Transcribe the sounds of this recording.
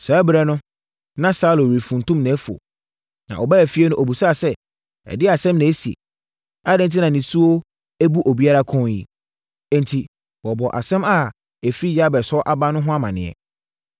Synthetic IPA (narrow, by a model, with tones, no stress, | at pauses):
saː˨˦bɾɛ˦nʊ̃˦ | nã˦saː˦lo˨ɾi˨fũ˨n˨tũ˦mnɛ̃˨˦fu˨o̰˨ | nã̰˨ʔɔ˨bæ˦æ˨fi˦ɛ˦nʊ̃˦ʔo˨bu˨sa˦˨sɛ˦ | ɛ̰˨dɪ˦a˨sɛ̃˦mnɛ̃˨˦si˨ḛ˨ | a˦dɛ̃˨˦n˨t̬ʰi˦nã˨nĩ˨su˦o˦ | æ˦bu˦ʔo˨bi˦a˦ɾa˦kʰɔ̃˦jḭ˦ | ɛ̃˦n˨tʰi˨ | wɔ˨bɔ˨ʔa̰˨sɛ̃˦ma˦˨ | æ˨fɾi˦ja˦bɛ˨sɔ˦ʔa˦ba˦nʊ̃˦ɦʊ̃˦a˦mã˨nɪ̃˨ɛ̰˨